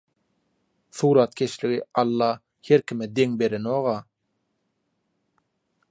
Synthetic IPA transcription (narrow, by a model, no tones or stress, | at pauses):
θuːɾɑt̪̚kʲʰeʃliɣiɑlˠːɑː | heɾkʲʰimɛd̪eŋbe̞ɾenoːʁɑː